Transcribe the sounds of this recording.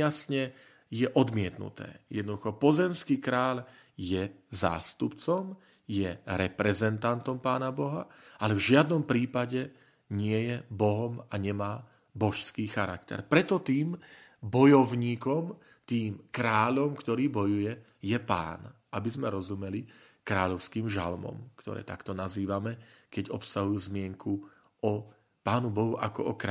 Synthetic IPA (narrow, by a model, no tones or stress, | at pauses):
jasɲɛ | jɛʔɔd̪mɪɛt̪nṵt̪ɛ̰ːjɛ̰d̪nd̪uxɔpɔzɛmskiːkɾaːʎjɛza̰ːst̪upt͡sɔm | jɛɾɛpɾɛzɛnt̪ant̪ɔmpaːnabɔɦaʔalɛvʒɪad̪nɔmpɾiːpaɟɛ | ɲɪɛjɛbɔɦɔmaɲɛmaː | bɔʃskiːxaɾa̰kt̪ɛ̰ɾpɾɛt̪ɔt̪iːmbɔjɔʊɲiːkɔm | t̪iːmkɾaːʎɔmkt̪ɔɾiːbɔjujɛ | jɛpa̰ːnʔabizmɛɾɔzumɛli | kɾaːʎɔʊskiːmʒa̰lmɔ̰mkt̪ɔ̰ɾɛ̰ːt̪akt̪ɔnaziːʋamɛkɛɟɔpsaɦujuːzmɪɛŋkʰu | ɔ | paːnubɔɦuʔakɔɔkɾa